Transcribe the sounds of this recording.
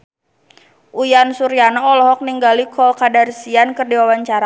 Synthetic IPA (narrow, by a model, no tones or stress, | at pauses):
ʔujansuɾianaɔlɔɦɔk̚niŋɡalikʰɔlkadarsiankɨrdiwawaɲt͡ʃaɾa